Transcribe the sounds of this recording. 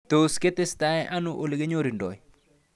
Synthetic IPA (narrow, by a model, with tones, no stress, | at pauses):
t̪o˨ske˦t̪e˦st̪a˦ɛ˦ʔa˦no˦ʔo˨lɪ˨ɡe˦ɲo˦ɾi˨ndɔ̰˨i˨